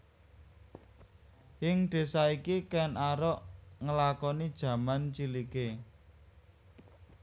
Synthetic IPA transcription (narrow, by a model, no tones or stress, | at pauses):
jɪŋɖ̪̥e̤saikikɛnaɾɔʔŋəlakɔnid̥ʒ̥ä̤mant͡ʃilike